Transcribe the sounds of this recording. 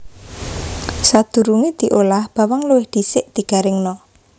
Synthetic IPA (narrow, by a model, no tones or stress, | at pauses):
sad̪̥ṳɾuŋid̪̥i̤ʔolahb̥a̤waŋluwɪhd̪̥isɪʔd̪̥i̤ɡ̥a̤ɾɪŋnɔ